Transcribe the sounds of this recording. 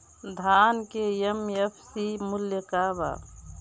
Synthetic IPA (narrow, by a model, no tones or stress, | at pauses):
d̪ʱaːnkejemjefʰsimʊljəkaːba̰ː